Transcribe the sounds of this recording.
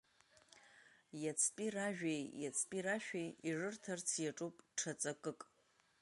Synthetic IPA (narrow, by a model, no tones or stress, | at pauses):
jat͡sʰpʼiraʒᶣejjat͡sʰpʼiraʃᶣejirɨrtʰart͡sʰjaʈ͡ʂʼupʼʈ͡ʂʰat͡sʼakʼɨkʼ